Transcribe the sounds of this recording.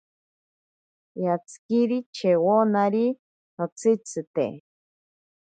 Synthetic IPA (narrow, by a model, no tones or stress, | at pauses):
jat͡sʰɨ̥kiɾit͡ʃʰewonaɾi | not͡sʰɨt͡sʰɨt̪ḛ